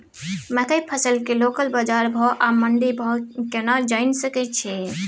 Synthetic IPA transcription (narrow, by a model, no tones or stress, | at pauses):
mə̃kəpʰəsəlkelokəlbəd͡ʒaɾbʱɔʔaməɳɖibʱɔkenad͡ʒaɪnsəkɛt͡ʃʰi